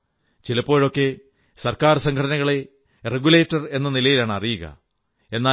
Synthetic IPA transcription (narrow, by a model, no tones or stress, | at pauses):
t͡ɕilɐpːo̞ːɻo̞kːe̞ | sɐrkaːrsɐŋkʰɐɽɐnɐɣɐɭe̞ | reɡule̞ːtːɐre̞nːɐnilɐjilaːɳɨɐrijuɣɐ̰ | e̞nːaː